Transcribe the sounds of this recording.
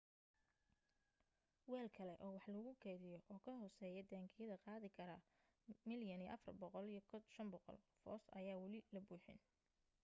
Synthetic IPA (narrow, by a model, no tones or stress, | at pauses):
wɛːlkʰɐlɛʔɔːwɑħlɐɣʊɡʰɛjðɪjɔʔɔːkʰɐɦɔːsɛːjɛd̪aːŋkʰɪjɐðɐqɑːðɪkʰɐɾɐ | mɪljɐnij̰ʔɐfɐrbɔqɔlijɞkʰʃɐmbɔqɔ̰lfɔ̰ːsɐ̰jaːwɐlɪlɐbuːħɪ̰n